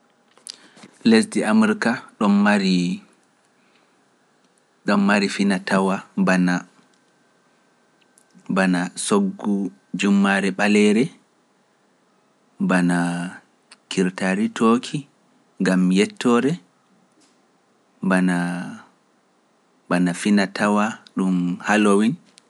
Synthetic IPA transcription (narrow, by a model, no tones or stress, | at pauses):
lesdiʔamuɾkaɗɔmːaɾi | ɗɔmːaɾifinatʰawabana | banasoɡːu | d͡ʒumːaɾɛɓalɛɾɛ | bana | kʰiɾtaɾitʰoːkʰi | ŋɡamjɛtʰːɔɾɛ | bana | banafinatʰawaɗumhalowin